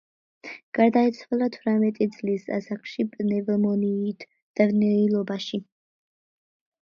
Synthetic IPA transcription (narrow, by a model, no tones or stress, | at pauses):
ɡ̥aɾd̪ait̪sʰwalˠat̪ʰvɾamɛt̪ʼid̪zʼlisa̰sakʰʼʃipʼnɛvmɔniːt̪ʰ | d̪̥avnɛilˠɔbaʃi